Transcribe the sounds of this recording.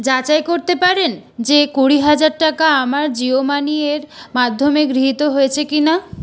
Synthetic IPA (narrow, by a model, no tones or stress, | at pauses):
d͡ʑat͡ɕaejkoɾt̪epaɾend͡ʑekuɽiɦad͡ʑaɾʈakaamaɾd͡ʑiomanieɾmad̪ʱːomeɡɾiɦit̪oɦoet͡ɕʰekina